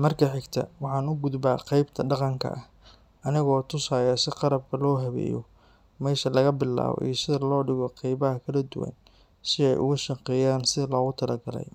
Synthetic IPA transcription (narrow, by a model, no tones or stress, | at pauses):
mɐrkʰɐħɪɡt̪ʰɐ̰wɑħɑːnʊɡʊd̪baːqɑjbt̪ʰɐɖɑqɑŋkʰɐ̰ʔɐh | ɐnɪɣɔːt̪ʰʊsaːjaːsɪqɑɾɐb̚kʰɐlɔːɦɐβɛ̰ːjɔ̰ | mɛːʃɐlɐɣɐbɪlːa̰ːβɔ̰ʔḭːsɪðɐlɔːɖɪɣɔqɑjβɐɦɐkʰɐlɐd̪ʊ̰wɐ̰n | sɪɛ̰jʔʊ̰ɣʊʃɑqɛjaːnsɪðɐlɔːɣʊt̪ʰɐlɐɡɐlɛ̰j